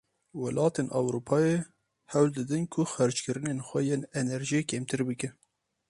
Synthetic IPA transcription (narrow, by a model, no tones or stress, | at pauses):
wɛlʔɑːt̪eːnʔɑwɾupʰɑːje | hɛwld̪ɨd̪ɨnkʰʊxæɾt͡ʃkɨɾɨnenxʷɛjeːnɛnɛɾʒiekʰeːmt̪ʰɨɾbɨkɨ